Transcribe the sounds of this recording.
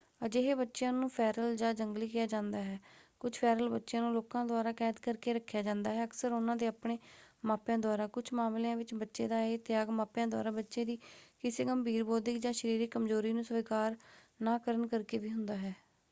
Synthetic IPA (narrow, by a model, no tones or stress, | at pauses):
əd͡ʒeːɦeːbətːʃjãːnũːpʰɛːɾəld͡ʒãːd͡ʒəŋɡliːkɪjaːd͡ʒãːnd̪aːɦɛːkʊt͡ʃʰpʰɛːɾəlbətːʃjãːnũːloːkãːd̪ʊaːɾaːkɛːd̪kəɾkeːɾəkʰːjaːd͡ʒãːnd̪aːɦɛːəksəɾʊnãːd̪eːaːpɽeːmaːpjãːd̪ʊaːɾaːkʊt͡ʃʰmaːmlejãːʋɪt͡ʃbətːʃeːd̪aːeːt̪ɪjaːɡmaːpjãːd̪waːɾaːbətːʃeːd̪iːkɪseːkəmbʱiːɾboːd̪ɪkd͡ʒãːʃəɾiːɾiːkəmzoːɾiːnũːsʋiːkaːɾ | naːkəɾənkəɾkeːʋiːɦʊnd̪aːɦɛː